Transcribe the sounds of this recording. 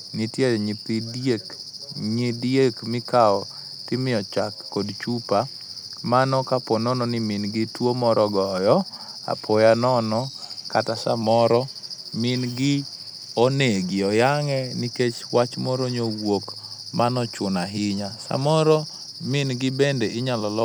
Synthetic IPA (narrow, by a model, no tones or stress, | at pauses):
nitjeɲipidek | ɲidjekmɪkaɔ | tɪmɪɔt͡ʃakːodt͡ʃupa | manɔkapɔnɔnɔnɪmɪnɡɪtwomɔɾʔɔɡɔjɔ | a̰pʰɔjanɔnɔkatasa̰mɔɾɔ | mɪnɡɪ | oneɡɪɔjaŋɛniket͡ʃwat͡ʃmɔɾoɲowok | manɔt͡ʃʊnaɦɪɲasa̰mɔɾɔ | mɪnɡɪbɛndɛʔɪɲalɔlɔ